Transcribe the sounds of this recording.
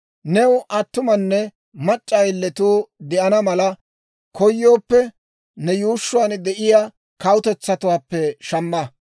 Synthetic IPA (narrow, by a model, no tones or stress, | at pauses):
nɛwʊʔɐt̪ːʊmɐnːɛ | mɐt͡ʃʼːɐjlːɛt̪uːd̪ɛʔɐnɐmɐlɐ | kɔjːo̞ːpːɛ | nɛjuːʃːʊwaːnd̪ɛʔɪja | kɐwʊt̪ɛt͡sːɐt̪ʊwaːpːɛʃɐmːɐ